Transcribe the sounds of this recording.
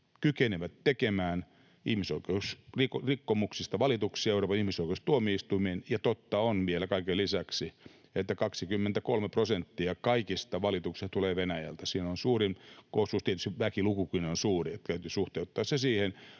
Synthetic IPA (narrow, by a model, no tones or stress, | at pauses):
kykeneʋæt̪tekemæːn | ihmisoikeusrikrikːomuksist̪ɑʋɑlit̪uksiɑeuroːpɑnihmisoikeust̪uomiist̪uimenjɑt̪ot̪ːɑonʋielækɑikelisæksi | et̪ːækɑksikymːent̪ækolmeprosent̪ːiɑkɑikist̪ɑʋɑlit̪uksist̪uleːʋenæjæ̰lt̪æsiːnonsuːrimkosust̪iet̪yst̪iʋʋækilukukinonsuːriet̪ːt̪æyt̪ysuht̪eut̪ːɑːssesiːhen